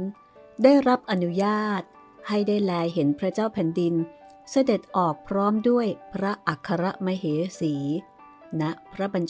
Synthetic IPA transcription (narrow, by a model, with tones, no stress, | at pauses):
n | daː˥˩jɾa˦˥p̚ʔa˧nu˦˥jaː˥˩t̪̚ | ha˥˩jdaː˥˩jlɛː˧jɦe˩˦npʰɾa˦˥t͡ɕaː˥˩wpʰɛː˩˦ndi˧n | sa˧de˨˩t̪̚ʔɔː˨˩k̚pʰɾɔː˦˥mdu˥˩əjpʰɾa˦˥ʔa˨˩kʰːa˧ɾa˦˥ʔma˧ɦeː˩˦siː˩˦ | na˦˥ʔpʰɾa˦˥ba˧nt͡ɕ